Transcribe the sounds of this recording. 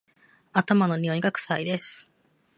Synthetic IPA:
at̪amano̞ɲ̟ʲiõiɡakɯ̟̥said̪e̞sɨ̥

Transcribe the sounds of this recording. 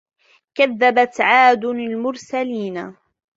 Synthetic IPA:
kaðːabat̪ʕaːd̪ʊalmʊɾsaliːna

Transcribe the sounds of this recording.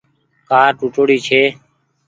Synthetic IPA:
kaːɾʈuʈoːɽiːt͡ʃʰeː

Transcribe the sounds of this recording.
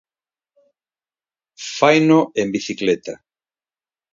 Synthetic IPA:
fajnoembiθiklet̪a

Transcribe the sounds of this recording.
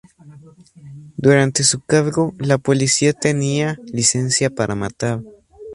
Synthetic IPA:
d̪uɾant̪e̞sukaɾɡolapolisiat̪enialisensjapaɾʔamat̪aɾ

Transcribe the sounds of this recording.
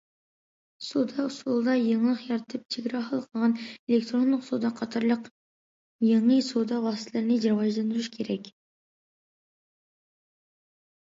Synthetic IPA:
sod̪ɑsulˠd̪ɑjeŋlˠəqjɑɾt̪ʰɨp̚t͡ʃʰeɡʲɾɑχɑlˠəqʰəlˠʁɑnelek̚t̪ɾonːˠəqsod̪ɑqʰɑt̪ʰɑɾlˠəq | jeŋəjsod̪ɑwɑst̪ʰlˠɨɾnɪʒɑɾvɑʒlˠɑnd̪ɾuʃkʲʰeɾɛkʲ

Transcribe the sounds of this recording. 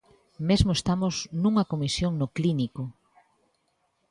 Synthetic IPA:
mezmoest̪amʊznũŋɐkomisjoŋnokliniko

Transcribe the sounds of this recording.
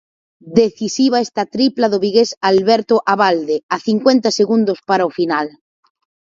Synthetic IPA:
d̪eθisiβaest̪at̪ɾiplaðoβiɣesalβeɾt̪oʔaβald̪eaθiŋkwent̪aseɣund̪ospaɾaofinal

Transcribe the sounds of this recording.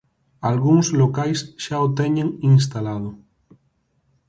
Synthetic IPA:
alɣuŋzlokajsʃaot̪eɲeŋiŋs̬t̪alað̞o

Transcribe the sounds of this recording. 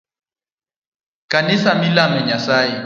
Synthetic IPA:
kanisamilamɛɲasai

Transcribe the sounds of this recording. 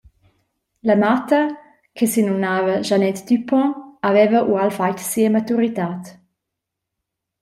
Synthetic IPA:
ləmat̪ɐ | kʰesinunaːvɐʒanɛt̪d̪ypʰɔ̃avɛvəʔualfajt̪siəmat̪uɾit̪aːt̪

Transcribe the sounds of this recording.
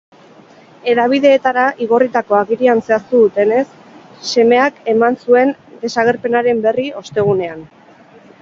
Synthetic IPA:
e̞ɾaβ̞iðe̞ːt̪aɾaʔiɣo̞rit̪ako̞aɣiɾianse̞ast̪uðut̪e̞ne̞sː | e̞me̞ake̞mansue̞nd̪e̞saɣ̞e̞ɾpe̞naɾe̞mbe̞rio̞st̪e̞ɣ̞une̞an

